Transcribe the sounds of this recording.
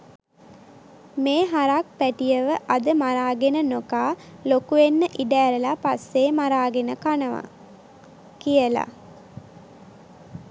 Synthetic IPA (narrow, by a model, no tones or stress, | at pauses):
meːɦaɾak̚pæʈijəʋəʔad̪əmaɾaːɡenənokaːlokuenːəʔiɖæːɾəlapasːeːmaɾaːɡenəkanəʋa̰ | kijəla̰